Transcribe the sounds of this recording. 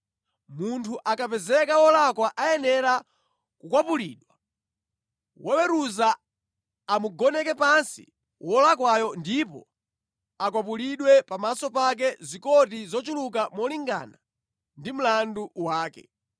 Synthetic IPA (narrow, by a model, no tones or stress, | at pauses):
muntʰuʔakapɛzɛkawɔlakwaʔajɛnɛɾa | kukwapulḭːɗwa | wʔɛwɛɾuzaː | muɡɔnɛkɛpansḭ | wɔlakwajɔndipɔ̰ | ak̬wap̬uliɗwɛpamasɔpak̬ɛzikɔt̬izɔt͡ʃulukamɔliŋɡa̰na | ndim̩landuwaːkɛ